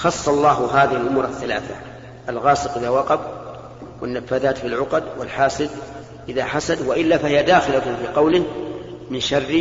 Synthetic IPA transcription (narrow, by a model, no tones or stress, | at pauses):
xɑsˤːɑlˤːɑːɦʊɦaːðɪhɪlʔʊmuːɾaθːalaːθa̰ | ʔalɣɑːsˤɨqʔɪðawɑqɑf | wɪnːafːaθaːt̪filʕʊqɑd̪wɪlħaːsɪd̪ | ʔɪðaħasad̪waʔɪlːafahɪjad̪aːxɪlat̪fiːqɑwlɪhmɪnʃɑrːi